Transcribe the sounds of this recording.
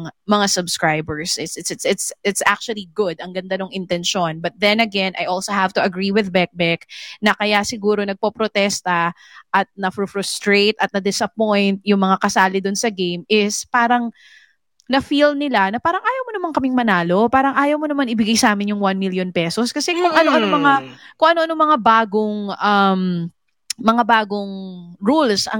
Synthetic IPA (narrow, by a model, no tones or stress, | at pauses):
ŋmɐŋasɐbskɹajbɛɹsɪsɪɪt̪sɪt̪sɪt̪sʔa̰k̚t͡ʃuɐliɡʊd̪ɐŋɡɐnd̪ɐnoŋʔɪnt̪ɛnʃo̞nbɐt̪̚ðɛnɐɡɛnʔɐ̰jʔolsohavt̪ʊʔɐɡɾiwɪðbɛk̚bɛk̚nɐkɐjasɪɡuːɾo̞nɐɡ̚popɾot̪ɛst̪ɐ | ʔɐt̪̚nɐfɾʊfɾʊst̪ɾejt̪ɐt̪nɐd̪ɪsɐpojnt̪̚jʊŋmɐŋakɐsaːlɪd̪ʊnsɐɡejmɪspaːɾɐŋ | nɐfilnɪlanɐpaːɾɐŋʔaːjɐwmonɐmaŋkɐmɪŋmɐnaːlo̞paːɾɐŋʔaːjɐwmonɐmanʔɪbɪɡajsaːmɪnjʊŋwanmiljonpɛsoskɐsɛkʊŋʔɐnoʔɐnomɐŋakʊŋʔɐno̞ʔɐno̞mɐŋabaːɡoŋʔɐm | mɐŋabaːɡoŋɹulsɐ̰